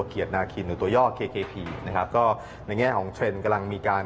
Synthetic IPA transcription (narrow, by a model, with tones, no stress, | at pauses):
ki˨˩ət̪̚naː˧kʰi˧˩nːɯː˨˩˦t̪u˧ɐjɔː˥˩t̚kʰeː˧kʰeː˧pʰiː˧na˦˥kʰa˦˥p̚kɔː˥˩ | na˧jŋɛː˥˩kʰɔː˩˦ŋt͡ɕʰe˧nka˧la˧ŋmiː˧kaː˧n